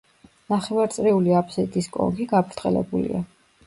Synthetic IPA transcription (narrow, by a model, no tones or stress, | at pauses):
naχɛvaɾt̪sʼɾiuliapʰsɛt̪ʼiskʼɔ̰ŋɡiɡapʰɾt̪χʼɛ̰lɛ̰bulḭa